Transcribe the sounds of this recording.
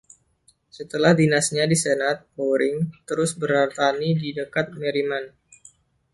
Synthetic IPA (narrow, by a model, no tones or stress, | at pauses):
sət̪əlahdinasɲadisenat̪̚poɾɪŋt̪əɾʊsbəɾart̪anididəkat̪̚meɾiman